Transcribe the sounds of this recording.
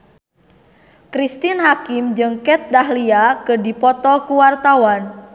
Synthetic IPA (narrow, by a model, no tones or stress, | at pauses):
kɾist̪ɪnɦakɪmd͡ʒəŋkɛt̪̚d̪ahliakədipɔt̪ɔkuwart̪awan